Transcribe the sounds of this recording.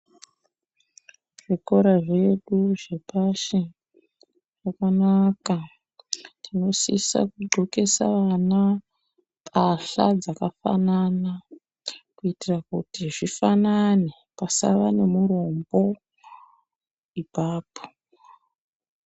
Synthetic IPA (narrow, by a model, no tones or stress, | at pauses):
ʐ̥iko̞ɾaʐe̞ɗuʐe̞paʃe | ʐakanaka | tʰino̞sisa̰kuɡ͡ǃʱo̞ke̞sa̰ʋana | pʰaɬad͡zakafa̰nana | kuitirakutiʐifanane | pasa̰ʋane̞muro̞mbo̞ | ipaːpʰo̥